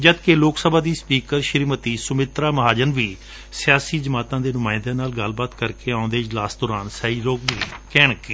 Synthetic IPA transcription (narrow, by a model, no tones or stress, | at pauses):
d͡ʒəd̪keːloːksəbʱaːd̪iːspiːkəɾʃɪɾiːmət̪iːsʊmɪt̪ɾaːməɦaːd͡ʒənʋiː | sɪjaːsiːd͡ʒəmaːt̪ãːd̪eːnʊmaːɪnd̪ãːnaːlɡəlbaːt̪kəɾkeːaːʊnd̪eːɪd͡ʒlaːsd̪ɔːɾaːnsaiːɾoːɡ̚biːkɛːɳ̃kiː